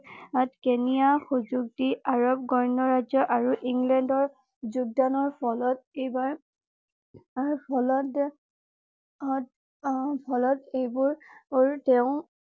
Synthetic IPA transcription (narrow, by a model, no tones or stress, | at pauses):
atkenijaxuzuk̚tiaɹɔb̚ɡɔɹnɔɹazɔʔaɹuʔiŋɡlɛndɔɹ | zuɡ̚danɔɹpʰɔlɔt̚ejbaɹ | ɹpʰɔlɔt | ɔt | pʰɔlɔtejbʊɹɹtɛʊ̃